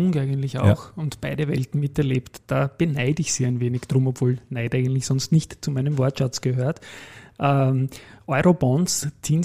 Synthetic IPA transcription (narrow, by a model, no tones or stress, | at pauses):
ʊŋkæɪɡəntlɪçɑ̰ʊxʊntb̥aɪɾəvɛ̰ltn̩mɪtɛɐleːptd̥aːb̥ənæɪdɪçsiːæɪnveːnɪçd̥ʁʊmɔpv̥oːlnæɪtʔæɪɡəntlɪçsɔ̃nstnɪçtt͡sumæɪnəmvɔɐtʃat͡sɡ̥əɦøːɐtʔə | ʔɔʏʁobɔ̃nst͡sʰiːn